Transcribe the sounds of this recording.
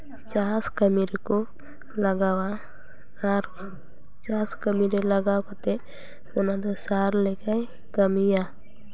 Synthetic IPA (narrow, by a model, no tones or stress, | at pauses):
t͡ʃaːskəmiɾeko | lɐɡawa | aɾ | t͡ʃaːskəmiɾeləɡakat̪e | ʊnad̪asaːɾlekai | kɐmija